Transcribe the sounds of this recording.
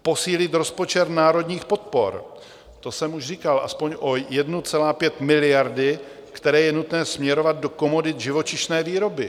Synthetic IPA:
po̞siːlɪt̪ɾo̞spo̞t͡ʃɛɾnaːɾo̞dɲiːxpo̞t̪̚po̞̰ɾ | t̪o̞sɛmuʒriːkalʔa̰spoɲʔojɛdnut͡sɛlaːpjɛt̪mɪlɪjaɾdɪ | kt̪ɛɾɛːjɛnut̪nɛːsmɲɛɾo̞vad̪̚do̞ko̞mo̞dɪt̪ʒɪvo̞t͡ʃɪʃnɛːviːɾo̞bɪ

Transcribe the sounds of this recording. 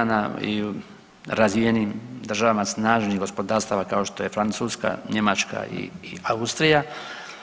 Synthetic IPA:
anaḭu | ɾazieniːmd̪r̩ʒaʋamasnaːʒnihɡo̞spo̞d̪aːɾst̪aʋakao̞ʃt̪o̞je̞fɾant̪suːska̰ɲe̞mat͡ʃka̰ḭːaust̪ɾija

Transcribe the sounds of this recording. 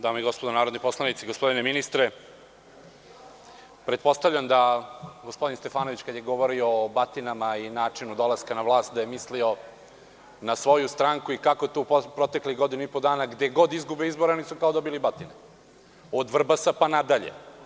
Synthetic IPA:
d̪aːmeiɡo̞spod̪onaːɾod̪nipo̞slˠanit̪siɡospo̞d̪ineminist̪ɾe | pɾe̞t̪̚po̞st̪avʎamd̪aɡospo̞d̪inst̪e̞faːnoʋit͡ɕkad̪jeɡoʋoɾioːbat̪inamainaːt͡ʂinud̪o̞laskanaʋlˠaːst̪d̪ajemislio̞ | nasʋo̞just̪ɾaːŋkuikako̞t̪uppɾo̞t̪ekliɣɡo̞d̪inuipod̪aːnaɡd̪eɡo̞d̪izɡubeizboɾanisukaod̪obilibat̪ine | od̪ʋr̩basapanad̪aʎḛ

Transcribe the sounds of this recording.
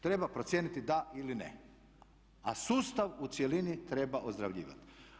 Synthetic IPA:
t̪ɾe̞bapɾosjeːnit̪id̪ailinḛ | asuːst̪aʋut̪sjelinit̪ɾe̞baʔozd̪ɾaʋʎḭːʋa̰t̪

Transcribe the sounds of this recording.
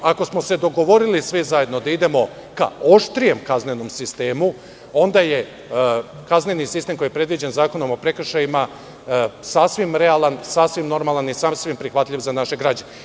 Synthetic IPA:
ako̞smose̞d̪o̞ɡo̞ʋo̞ɾilisʋizaje̞d̪no̞d̪aid̪e̞mo̞ | ka̰o̞ʃt̪ɾije̞mkazneno̞msist̪e̞ːmu | o̞nd̪aje̞ | kazne̞nisist̪e̞mko̞jepɾe̞d̪ʋid͡ʑenzaːko̞no̞mopɾe̞kr̩ʃajima | sasʋimɾealˠansasʋimno̞ɾmalˠanisasʋimpɾixʋat̪ʎʲiʋzanaʃe̞ɡɾaːd͡ʑane

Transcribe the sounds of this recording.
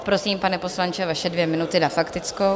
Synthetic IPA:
pɾo̞siːmpanɛpo̞slant͡ʃɛvaʃɛdvjɛmɪnut̪ɪnafakt̪ɪt͡sko

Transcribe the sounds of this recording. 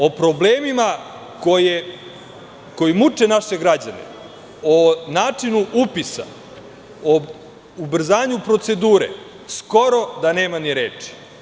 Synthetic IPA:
o̞pɾo̞bleːmima | koje | ko̞jimut͡ʂe̞naʃe̞ɡɾad͡ʑanḛ | onaːt͡ʂinuʔupisa̰ | o | ubr̩zaːɲupɾo̞t̪se̞d̪uːɾḛ | sko̞ɾo̞d̪ane̞ːmaniɾeːt͡ʂi̥

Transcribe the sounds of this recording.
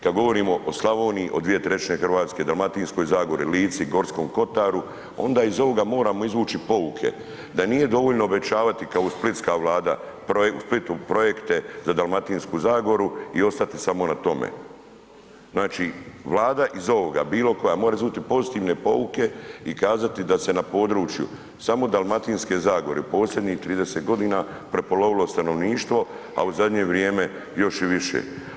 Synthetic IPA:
kad̪ɡo̞ʋo̞ɾiːmo̞ʔoslˠaʋo̞ːniːʔo̞̰d̪ʋije̞t̪ɾe̞t͡ʃne̞xr̩ʋaːt̪ske̞d̪almat̪iːnsko̞jzaːɡo̞ɾiliːt̪siɡo̞ɾsko̞ːmko̞t̪aːɾu | o̞̰nd̪aːizo̞ʋo̞ɡamo̞ːɾamo̞izʋuːt͡ʃipo̞ukʰe̞̰ | d̪anije̞d̪o̞ʋoʎnoobe̞t͡ʃaːʋat̪ikaousplit̪skaʋlˠaːd̪a̰ | pousplit̪upɾo̞je̞kt̪e̞zad̪alˠmat̪inskuːzaːɡo̞ɾuio̞st̪at̪isamo̞nat̪o̞mḛ | znaːt͡ʃiʋlˠaːd̪aʔizo̞ʋo̞ɡa̰biːlo̞kojamo̞ːɾaizuːt̪ipo̞zit̪iːʋne̞po̞uke̞ikaːzat̪id̪ase̞napo̞ːd̪ɾuːt͡ʃjṵ | samo̞d̪alˠmat̪iːnske̞ːzaːɡo̞ɾeupo̞ːsʎʲed̪niht̪ɾiːd̪ese̞t̪ɡo̞d̪iːna | pɾe̞po̞lo̞ʋilo̞st̪ano̞ʋniːʃt̪ʋo̞ | a̰uzad̪ɲe̞ʋɾjeːme̞ | jo̞ʃiʋiʃḛ

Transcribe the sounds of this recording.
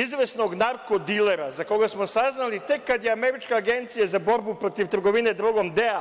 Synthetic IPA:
izʋesno̞ɡnaɾko̞d̪ile̞ɾazako̞ɡasmo̞saznalit̪e̞kkːad̪jeame̞ɾit͡ʃkaaɡe̞nt̪sijazabo̞ɾbupɾo̞t̪iʋt̪r̩ɡo̞ʋine̞d̪ɾuɡo̞md̪ea

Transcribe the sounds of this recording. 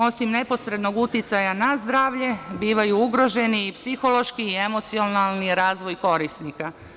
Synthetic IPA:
o̞simne̞po̞sɾe̞d̪no̞ɡut̪jit̪sajanazd̪ɾaːʋʎe̞biːʋajuuɡɾo̞ʒe̞niːpsixo̞lo̞ʃkiːe̞mo̞t̪sio̞nalˠniɾaːzʋo̞jko̞ɾisnika

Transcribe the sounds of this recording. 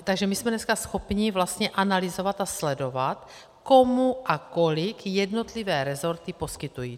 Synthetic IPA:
t̪aɡʒɛmismɛnɛskasxopɲivlast̪ɲɛʔanalizovat̪aslɛdo̞vat̪ | komuʔakolɪkjɛdnot̪livɛːɾɛzo̞ɾt̪ipo̞skit̪ujiː

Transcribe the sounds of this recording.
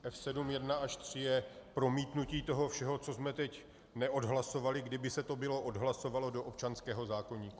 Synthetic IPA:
ʔɛfsɛdumjɛdnaʔaʃt̪r̝̥ɪjɛpɾo̞miːt̪nuciːt̪o̞ɦo̞fʃɛɦo̞t͡so̞zmɛt̪ɛc | nɛʔo̞dɦlaso̞valɪɡdɪbɪsɛt̪o̞bɪlo̞ʔodɦlaso̞valo̞doʔop̚t͡ʃanskɛːɦo̞zaːko̞ɲiːku

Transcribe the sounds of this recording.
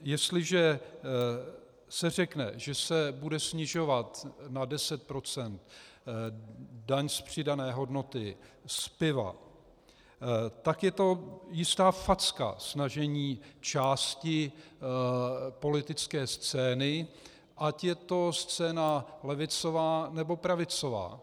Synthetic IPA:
jɛst̪lɪʒɛ | sɛr̝ɛknɛ̰ʒɛsɛbudɛsɲɪʒo̞vat̪nadɛsɛt̪̚pɾo̞t͡sɛnt̪ | daɲspr̝̥ɪdanɛːɦo̞dno̞t̪ɪspɪva̰ | t̪akjɛt̪o̞jɪst̪aːfat͡ska̰snaʒɛɲiːt͡ʃaːscɪ | po̞lɪt̪ɪt͡skɛːst͡sɛːnɪ | ʔacjɛt̪o̞st͡sɛːnalɛvɪt͡so̞vaːnɛbo̞pɾavɪt͡so̞va̰ː

